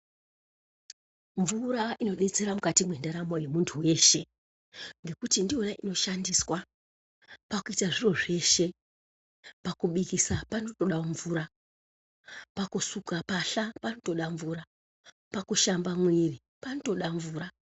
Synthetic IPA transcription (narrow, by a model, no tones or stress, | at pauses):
ɱvuɾaʔino̞ɗe̞t͡se̞ɾamukatimwe̞ndaɾamoje̞muntʰuwe̞ːʃe̞ | ŋɡe̞kutindionaʔino̞ʃandiswa | pakuitaʐiro̞ʐe̞ʃe̞ | pakuɓikisapano̞toɗaɱvuːɾa | pakusukapaɬapano̞to̞ɗaɱvuːɾa | pakuʃambamwiri | panoto̞ɗaɱvuːɾa